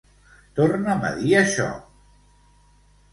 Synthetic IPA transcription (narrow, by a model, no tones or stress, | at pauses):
t̪ornəmə̰ðiəʃɔ̰